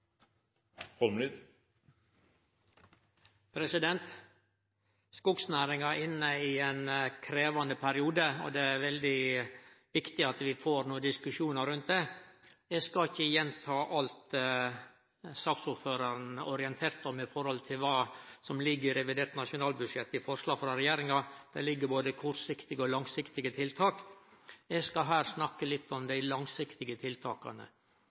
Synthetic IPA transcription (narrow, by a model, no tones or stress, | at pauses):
fɔlmnɪd̪ | pʰɾɛsɪd̪ɛnt̪ | skʊɡsnæːɾɪŋɑɪnːəɪenkʰɾeːʋɑnəpʰæɾɪuːd̪əɔ̰d̪ɛæɾʋɛld̪ɪ | ʋɪkt̪ɪɑt̪ʋɪfoːɾnuːəd̪ɪskʉʂuːnəɾʉnt̪̚d̪ɛjɛskɑɪçːəjɛnt̪ʰɑːʔɑlt̪ | sɑːksʊɾføːɾɑɾənɔɾɪɛnt̪ʰeːɾt̪ɔmːɪfɔɾhɔlt̪ʰɪlʋɑːsɔmlɪɡːəɪɾɛʋɪd̪eːɾt̪nɑʂʊnɑːlbʉdʂɛt̪ːɪfɔɾʂlɑːɡfɾɑɾɛjeːɾɪŋɑd̪̥ɛ̰lɪɡːəɾboːd̪əkʰɔʈsɪkt̪ɪɡəɔlɑŋsɪkt̪ɪɡət̪ʰɪlt̪ʰɑːk | ɛɡskɑɦæːɾsnɑkːəlɪt̪ʰːɔmd̪æɪlɑŋsɪkt̪ɪɡət̪ʰɪlt̪ʰɑːkɑ̰nə̰